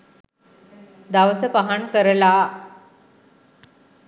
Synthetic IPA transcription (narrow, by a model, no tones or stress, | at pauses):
d̪aʋəsəpaɦaɳkəɾla